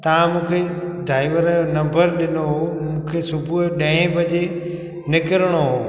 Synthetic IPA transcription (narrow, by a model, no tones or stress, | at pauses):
t̪ɐʋ̤ãmũːkʰe | ɖaːɪʋəɾnɐ̃mbəɾɗɪnoɦomũːkʰesʊbʱuɗɐ̃ɦɪ̃bʱɐd͡ʑe | nɪkɪɾəɽ̃oɦoː